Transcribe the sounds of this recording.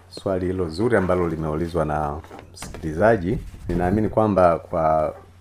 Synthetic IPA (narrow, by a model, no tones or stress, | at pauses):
swalihilɔzuɾiambalɔlimɛulizwanam̩si̥kilizaʄininaːminikwambakwa